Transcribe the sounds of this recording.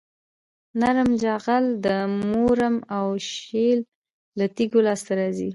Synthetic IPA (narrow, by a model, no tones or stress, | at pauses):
naɾmd͡ʒaɣald̪əmoɾamawʃelː | at̪iɡolɑst̪aɾɑzi